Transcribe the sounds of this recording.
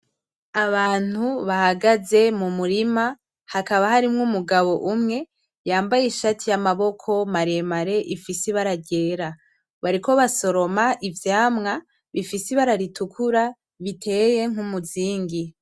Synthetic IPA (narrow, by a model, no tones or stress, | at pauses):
aβaːn̥huβahaɡaze̞mumuɾima | hakaβahaɾimŋumuɡaβo̞ʔumŋe̞ | jaːmbajeʃatʰijamaβo̞kʰo̞maɾemaɾe̞ʔifisiβaɾaɟe̞ːɾa | βaɾiko̞βaso̞ɾo̞maʔivjaːmŋa | βifisiβaɾaɾitukʰuɾa | βitʰe̞ːje̞ŋ̥umuziːŋɡi